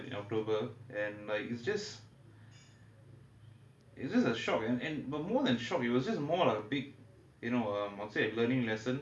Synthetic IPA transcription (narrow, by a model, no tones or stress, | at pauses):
ḭ̃nɔ̰k̚tobəʔɛ̃nlaɪkitsd͡ʒʌs | ḭtsd͡ʒʌsəʃɔkɛ̃nɛ̃nbət̚mɔːðɛ̃nʃɔkit̚wɔsd͡ʒʌsmɔlaɪkəbiɡ̚ | junoʌ̃mãnselənĩŋlɛsə̃n